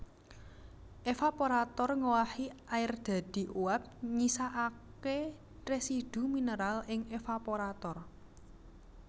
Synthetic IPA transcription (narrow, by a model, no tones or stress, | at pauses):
ʔefapoɾat̪ɔrŋowahiʔaɪrd̪̥a̤d̪̥i̤ʔuap̚ɲisaʔake | resid̪̥ṳminəɾalʔɪŋefapoɾat̪ɔr